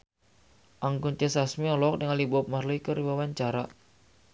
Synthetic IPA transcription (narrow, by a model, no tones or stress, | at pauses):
ʔaŋkunt͡ʃəsasmiɔlɔk̚dəŋalibɔp̚marloikəriwawaɲt͡ʃaɾa